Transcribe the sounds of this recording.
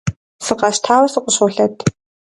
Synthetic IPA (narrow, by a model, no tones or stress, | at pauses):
sɨqɑɕtʰaːwɐsɨqʷʊɕʊɬɐtʰ